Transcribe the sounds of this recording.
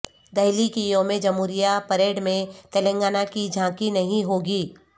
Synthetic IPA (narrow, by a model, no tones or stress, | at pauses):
d̪ɐɦlikijõmẽd͡ʒɐmuːɾijapɐɾeːɽmẽt̪ɛlə̃ŋɡaːnakid͡ʒʱãːkinɐɦĩɦoːɡiː